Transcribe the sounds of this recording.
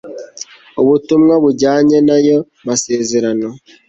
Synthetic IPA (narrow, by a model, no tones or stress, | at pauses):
uβutumŋaβuɟaːɲe̞najo̞ | mase̞ːze̞ɾano̞